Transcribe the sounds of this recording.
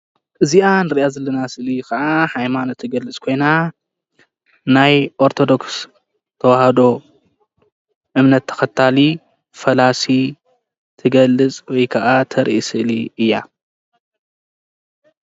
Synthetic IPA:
ʔɨziʔanɨɾʔazɐlɐnasɨʔlikʰɐʔahajmanot̪ʰːɨɡɐlɨt͡sʼkʰo̞jna | najʔo̞ɾt̪ʰo̞d̪o̞ks | t̪ʰɐwahɐd̪o̞ | ʔɨmnɐt̪ʰːɐ̥xɐt̪ʰːali | fɐlasi | t̪ʰɨɡɐlːɨt͡sʼwɔjkʰɐʔat̪ʰɐɾʔisɨʔliɨjːa̰

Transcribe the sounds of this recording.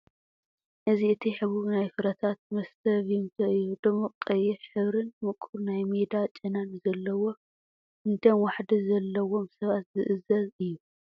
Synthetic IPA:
ʔɨziɨt̪ʰiħɨβuɡnajfɨɾɐt̪ʰat̪̚mɐst̪ʰɐβunt̪ʰɐʔɨjːud̪ɨmːɐqqʼːɐjɛħɨβɾɨnmɨkʼuɾnajmed̪at͡ʃʼɨnanzɐlːɐwo̞ | ɨnt̪ʰɐmwaħd̪izɐlːɐwo̞msɐβat̪zɨʔɨzɐzɨjːu

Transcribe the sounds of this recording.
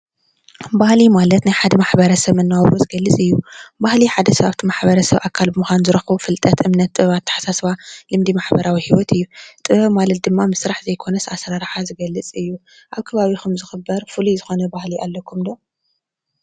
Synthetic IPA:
bahlimalɐt̪najħad̪ɐmaħbɐɾɐsɐβɨnːawβɾozɨɡɐlːɨt͡sʼɨjːubahliħad̪ɐsɐβaβt̪ʰimaħbɐɾɐsɐβʔakʰːalbɨmuxʷanzɨɾɐxβufɨlt̪ʼɐt̪ʰʔɨmnɐt̪ːʼɨβat̪ʰːḁħḁsasβalɨmd̪imaħbɐɾawihiwɔt̪ɨjːut̪ʼɨβɐmalɐt̪̚d̪ɨmːamɨsɾaħzɐjkʰo̞nɐsasɾaɾħazɨɡɐlːɨt͡sʼɨjːu | ʔaβkʰɐβaβixʰɐmzɨxɨbːɐɾfɨluzɨxo̞nɐbahliʔalːɐkʰumd̪o

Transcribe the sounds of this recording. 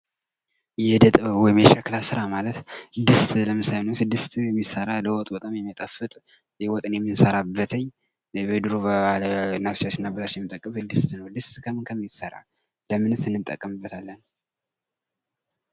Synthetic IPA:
jɛd̪ət̪ʼβwɔjɪmjɛʃəklasɨɾamalət̪d̪ɨst̪ləmɨsajnəwsɨd̪ːɨst̪ʰjɛmːisːəɾaləwɔt̪ʼbət̪ʼamjɛmːit̪ʼəfɨt̪ʼ | jɛwɔt̪ʼɨnjɛmːɨnsəɾabːət̪ʰəɲː | bed̪ɨɾobəalnast͡ʃat͡ʃɨnːabɨlat͡ʃjɛmɨt̪ʼəkʼːəβɨd̪ːɨst̪nəwd̪ɨst̪kʰəmɨnkʰəmisəɾa̰ | ləmɨnɨsɨnːɨnt̪ʼə̰kʼːəmɨbːət̪ʰalːən

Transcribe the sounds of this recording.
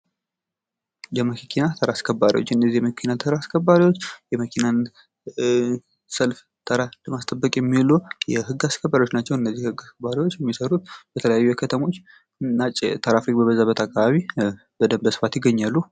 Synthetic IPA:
jɛməkkʰinat̪ʰəɾaskʰəbːaɾḭwot͡ʃːɨnːəzːihjɛməkʰinat̪ʰəɾaskʰəbːaɾiwot͡ʃːjɛməkʰinan | səlf | t̪ʰəɾaləmast̪ʼəbːəkʼjɛmːilojɛɦɨɡaskʰəbaɾjwot͡ʃːnat͡ʃːɛwɨnːəzːihhɨɡaskəbaɾewo̞t͡ʃːjɛmːisəɾut̪̚bət̪ʰələjajːujɛkʰət̪ʰəmo̞t͡ʃː | nːat͡ʃʼːɛt̪ʰəɾafɾik̚bəβəzaβət̪ʰakʰʼːaβaβi | bəd̪əmbəsɨ̥fat̪jɪɡːəɲːalːu

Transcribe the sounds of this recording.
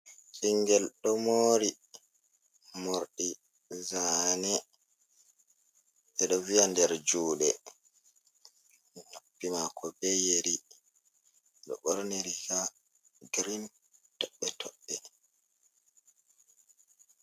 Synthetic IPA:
siŋɡɛlɗɔmoːɾi | moɾɗi | zanɛ | ʔɛɗɔvijandɛɾd͡ʒuːɗɛ | nopːimakʰɔbejeɾi | ɗɔ̰ɓɔɾniɾika | ɡɾin | tɔɓːɛtʰɔɓːɛ

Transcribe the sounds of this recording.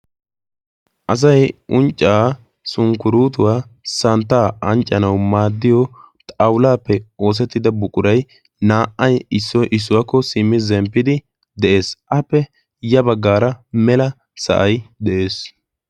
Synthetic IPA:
ʔɐs̬ɐjʔʊnt͡ʃʼːaː | sʊŋkʊɾuːt̪̬ʊwaːsɐnt̪ːaːʔɐnt͡ʃʼːɐnɐwmaːd̪ːɪjɔ | t̪ʼɐwʊlaːpːɛo̞ːs̬ɛt̪ːɪd̪ɐbʊkʼʊɾɐj | naːʔːɐjɪsːɔjʔɪs̬ːʊwaːkːɔsɪmːɪzɛmpːɪd̪ɪ | d̪ɛʔe̞ːsʔɐpːɛ | jɐbɐɡːaːɾɐmɛlɐ | sɐ̰ʔɐjd̪ɛʔe̞ːs

